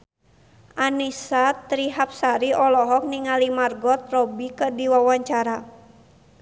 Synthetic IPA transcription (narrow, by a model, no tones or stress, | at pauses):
ʔanisat̪ɾiɦap̚saɾiʔɔlɔɦɔk̚niŋalimarɡɔt̪̚rɔbikədiwawaɲt͡ʃaɾa